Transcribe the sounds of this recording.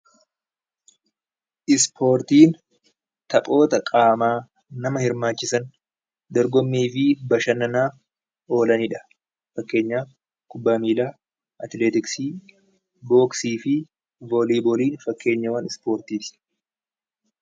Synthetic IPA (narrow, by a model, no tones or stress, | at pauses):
ʔɪspʰo̞ːɾt̪iːn | t̪ɐpʼo̞ːt̪ɐkʼaːmaː | nɐmɐhɪɾmaːt͡ʃːɪsɐn | d̪ɔɾɡɔmːiːfɪbɐʃɐnɐnaːf | o̞ːlɐnɪᶑɐ̥ | fɐkːe̞ːɲːaː | kʊbːaːmiːlaː | ʔɐt̪leːt̪ɪksiː | bo̞ːksiːfɪ | voliːbɔliːnfɐkːe̞ːɲːɐwɐnɪspo̞ːɾt̪iːs